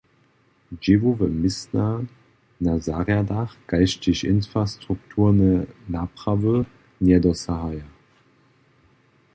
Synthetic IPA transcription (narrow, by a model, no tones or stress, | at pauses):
d͡ʒevovəmɪsna | nazaʁjadaχɡ̥aɪʃtɪɕɪnfʁastʁ̥uk̚tʰuːɐnənapʁavə | njɛdɔsahaja